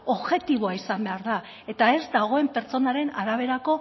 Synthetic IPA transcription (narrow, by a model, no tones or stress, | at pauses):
o̞βʝe̞t̪iβ̞o̞aisambe̞aɾða | e̞t̪ae̞zd̪aɣo̞e̞mpe̞ɾt͡so̞naɾe̞naɾaβ̞e̞ɾako̞